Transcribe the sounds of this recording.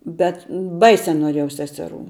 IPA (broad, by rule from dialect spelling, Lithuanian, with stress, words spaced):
ˈbʲɛt ˈbɐɪsʲɛ noːˈrʲiɛjɛʊ ˈsʲæːsʲɛˌruː